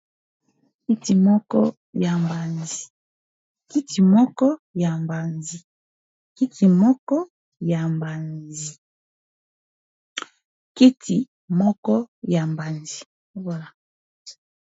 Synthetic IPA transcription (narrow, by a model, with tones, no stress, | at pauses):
ki˦ti˨mɔ˦kɔ˦ | ja˨mba˨nzi˨ | ki˦ti˨mɔ˦kɔ˦ja˨mba˨nzi˨ | ki˦tʰi˨mɔ˦kɔ˦ | ja˨mba˨nzi˨ | ki˦tʰi˨ | mɔ˦kɔ˦ja˨mba˨nzi˨˦ | ba˦˨la˨